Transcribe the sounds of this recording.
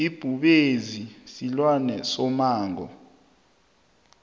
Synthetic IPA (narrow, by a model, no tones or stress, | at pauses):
ib̥ʱuɓezisilwanɛsɔmaːŋɔ̰